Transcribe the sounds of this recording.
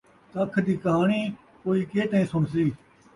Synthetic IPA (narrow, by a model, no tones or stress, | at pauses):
t̪əkʰd̪iːkəɦaːɳiː | koːiːkeːt̪əĩːsʊɳsiː